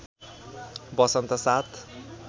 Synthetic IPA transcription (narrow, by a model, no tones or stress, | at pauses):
bʌsʌnt̪ʌsat̪